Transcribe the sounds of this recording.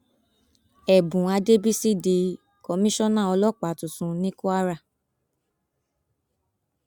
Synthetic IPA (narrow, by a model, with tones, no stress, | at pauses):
ɛ˨bũ˨a˧de˦bi˦si˦de˧ | kɔ˧˦mĩ˦ʃɔ̃˦nã˦˨ɔ˧lɔ˦˨k͡pa˨tũ˨sũ˨˧nĩ˦ku˦a˦ɾa˦˨